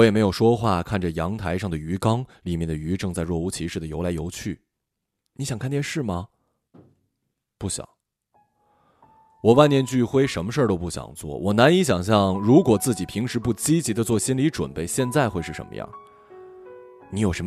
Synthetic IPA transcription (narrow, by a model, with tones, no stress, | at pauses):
wɔ˧˥jɛ˨˩me˧˥ɪjo˨˩ʂwɔ˥xwa˥˩kʰa˥˩nʈ͡ʂə˩jɑ˧˥ŋt̪ʰa˧˥ɪʂɑ˥˩ŋd̪ə˩y˧˥kɑ˥ŋli˨˩mjɛ˥˩nd̪ə˩y˧˥ʈ͡ʂɤ˥˧ŋt͡sa˥˧ɪɻwɔ˥˩u˥˩t͡ɕʰi˧˥ʂɻ̩˥˩d̪ə˩jo˧˥la˧˥ɪjo˧˥ʊt͡ɕʰy˥˩ | ni˧˥ɕjɑ˨˩ŋkʰa˥˧ntt͡ɕjɛ˥˧nʂɻ̩˥˩mɐ˩ | pu˥˩ɕjɑ̰˨˩˦ŋ | wɔ˨˩wa˥˩njɛ˥˧nt͡ɕy˥˩xwe˥ɪʂə˧˥nmə˧ʂə˥˩t̪o˥ʊpu˥˩ɕjɑ̰˨˩ŋt͡swɔ̰˥˩wɔ˨˩na˧˥ni˧˥ɕ̬jɑ˨˩ŋɕ̬jɑ˥˩ŋɻu˧˥kwɔ˨˩t͡sɹ̩˥˩t͡ɕi˨˩pʰi˧˥ŋʂɻ̩˧˥pu˥˩t͡ɕi˥t͡ɕi˧˥d̪ə˧t͡swɔ˥˩ɕi˥nli˧˥ʈ͡ʂwə̰˨˩npe˥˩ɪɕjɛ˥˧nt͡sa˥˧ɪxwe˥˧ɪʂɻ̩˥˩ə̰˧˥nmə̰˧jɑ̰˥˩ŋ | ni˧˥jo˨˩ʂə˧˥